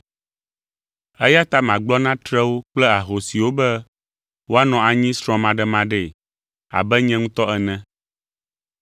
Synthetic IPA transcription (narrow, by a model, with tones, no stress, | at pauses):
ɛ˦ja˦t̪a˦mã˨ɡ͡blɔ˦nã˦t̪ɾɛ˦wo˦k͡plɛ˦a˨ɦo˨si˨wo˦bɛ˦ | wo˦a˦nɔ̃˨a˨ɲĩ˦sɾ̃ɔ̃˦mã˨ɖɛ˦mã˦ɖɛ˦˨ | a̰˨bɛ˦ɲɛ̃˦ŋũ˦t̪ɔ˦ɛ˨nɛ̃˨